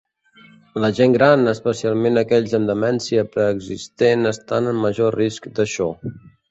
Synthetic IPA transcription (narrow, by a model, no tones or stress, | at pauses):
ləʒeŋɡɾanəspəsialˠmenəkɛʎzəmd̪əmɛnsiəpɾəːɡzist̪enəst̪anəmːəʒoriskd̪əʃɔ